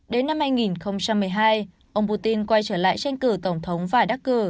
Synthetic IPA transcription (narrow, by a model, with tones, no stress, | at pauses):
ɗe˨˦nːa˧mhaː˧jŋi˨˩nxə˧wŋ͡mt͡ɕa˧mːɨ˨˩əjɦaː˧j | ʔə˧wŋ͡mpu˧t̪i˧nkwa˧jt͡ɕəː˧˩la̰ː˧˨jt͡ɕɛ˧jŋ̟kɨ˧˩t̪ə˧˩wŋ͡mt̪ʰə˨˦wŋ͡mvaː˨˩ɗaː˦˥k̚kɨ˧˩